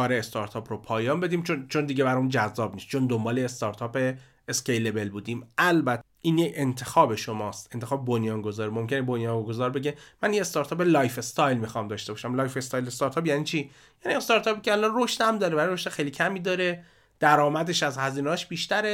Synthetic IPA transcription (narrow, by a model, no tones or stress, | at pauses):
kɒːɾeːst̪ɒɾt̪ʰɒːpɾopʰɒːjɒːnbe̞d̪iːmt͡ʃʰont͡ʃʰond̪iɟebæɾɒmund͡ʒæzːɒːbnist̪̚t͡ʃʰond̪o̞mbɒːleːst̪ɒɾt̪ʰɒːpe̞ː | sce̞jle̞be̞lbuːd̪iːmʔælbæt̪ʰː | ʔiːnjece̞nt̪ʰe̞xɒːbe̞ʃo̞mɒːst̪e̞nt̪ʰe̞xɒːbebonjɒːnɡo̞zɒːɾimo̞mcʲe̞nebonjɒːŋɡo̞zɒːɾbe̞ɟemæniːne̞st̪ɒɾt̪ʰɒːpe̞lɒːjfest̪ʰɒːjlmixɒːmd̪ɒːʃt̪e̞bɒːʃæmlɒːjfest̪ɒːjlest̪ɒɾt̪ʰɒːpjæːniːt͡ʃʰiː | jæːniest̪ɒːɾt̪ʰɒːpicʲehalːɒroʃt̪æmd̪ɒːɾebæɾijɾoʃt̪exejliːkcʰæmiːd̪ɒːɾe̞ | d̪̥æɾɒːmæd̪e̞ʃæzhæziːneɒːʃbiːʃt̪æɾe